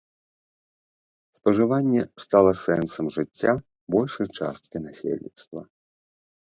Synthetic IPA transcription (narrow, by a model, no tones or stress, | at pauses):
spɐʐɨvanʲːɛst̪alˠɐsɛnsɐmʐɨt͡sʲːa | bɔlʲʂɐjt͡ʂa̰st̪̚kʲinasʲḛlʲnʲḭt̪st̪vɐ